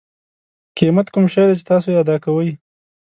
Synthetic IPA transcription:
kimat̪kʊmʃajd̪et͡ʃe̥t̪ɑsojead̪ɑkawəj

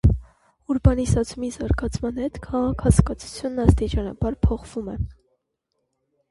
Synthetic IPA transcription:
uɾbɑnisɑt͡sʰumizɑɾɡɑt͡sʰmɑnhɛt̪kʰɑʁɑkʰɑt͡sʰkɑt͡sʰu̥t͡sʰjunːɑst̪it͡ʃɑnɑ̰bɑɾpʰɔχv̥umɛ

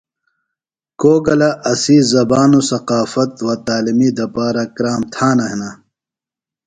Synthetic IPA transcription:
koːɡɐlɐʔɐsiːzɐbaːnusɐqaːfɐt̪wɐt̪aːlimiːd̪ɐpaːɾɐkɾaːmt̪ʰãːnɐɦena

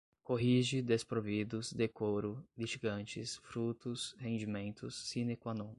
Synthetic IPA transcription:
koɦiʒɪd̪espɾovid̪ʊzd̪ekoɾʊliʒiɡɐ̃nt͡ʃɪsfɾut̪ʊshẽnd͡ʒimẽnt̪ʊsːinekwanõ

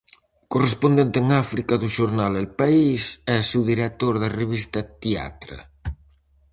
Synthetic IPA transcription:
korespond̪ent̪eeŋafɾikɐðʊʃoɾnalelpaisɛsuðiɾek̚t̪oɾðɐreβist̪ɐt̪ia̰t̪ɾɐ̰

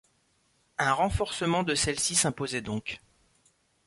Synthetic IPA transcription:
ɛ̃ʁɑ̃fɔʁsəmɑ̃d̪əsɛlsisɛ̃pozɛd̪ɔ̃k

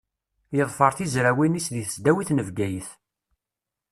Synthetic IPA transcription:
jəðˤfəɾˤθizɾæwinisðiθəsd̪æwiθnəvɡæjəθ

